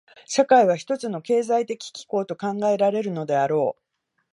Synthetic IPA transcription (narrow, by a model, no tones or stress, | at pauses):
ɕakaiβ̞açi̥t̪o̞t͡sɨno̞ke̞ːzait̪e̞kʲi̥kʲi̥ko̞ːt̪o̞kãŋɡae̞ɾaɾe̞ɾɯ̟no̞d̪e̞aɾo̞ː